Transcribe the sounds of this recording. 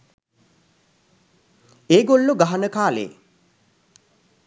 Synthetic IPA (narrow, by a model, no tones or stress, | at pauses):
eːɡolːuɡaɦɐnəkaːlḛː